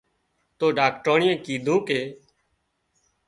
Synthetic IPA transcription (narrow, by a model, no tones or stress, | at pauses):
t̪oːɖaːkʈoːɳɪjẽːkiːd̪ʱõːkeː